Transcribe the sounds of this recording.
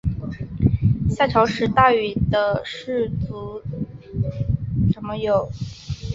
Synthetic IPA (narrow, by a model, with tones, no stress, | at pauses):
ɕja˥˩ʈ͡ʂʰɑ˧˥ʊʂɻ̩˧˥t̪a˥˩y˨˩d̪ə˦ʂɻ̩˥˩t͡su˧˥ | ʂə˧˥nmə˧jo˨˩˦ʊ